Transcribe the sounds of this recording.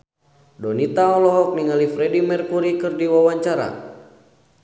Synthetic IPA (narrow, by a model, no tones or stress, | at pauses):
dɔnit̪aɔlɔɦɔk̚niŋalifɾɛdimɛrkuɾikɨrdiwawaɲt͡ʃaɾa̰